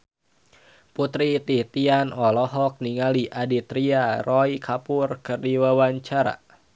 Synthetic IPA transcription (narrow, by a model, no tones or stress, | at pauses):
put̪ɾit̪it̪ianɔlɔɦɔk̚niŋaliʔadit̪ɾiarɔikʰapʊrkərdiwawaɲt͡ʃaɾa̰